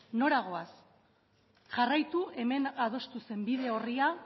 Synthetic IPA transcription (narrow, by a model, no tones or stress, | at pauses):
no̞ɾaɣ̞o̞as | ʝarajt̪ue̞me̞nað̞o̞st̪use̞mbið̞e̞o̞ria